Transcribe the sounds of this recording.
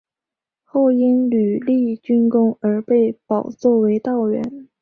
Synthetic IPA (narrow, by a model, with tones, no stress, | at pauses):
xo˥˩ʊi˥nly˨˩li˥˩t͡ɕy˥nkʊ˥ŋə˞˧˥pe˥˩ɪpɑ˨˩ʊt͡swɔ˥˩we˧˥ɪt̪ɑ˥˩ʊɥɛ̰˧˥n